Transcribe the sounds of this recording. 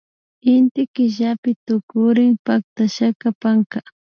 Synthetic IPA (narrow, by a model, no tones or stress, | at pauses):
ɪnt̪ɪkɪʒapɪt̪ʊkʊɾɪŋpak̚t̪aʃakapaŋka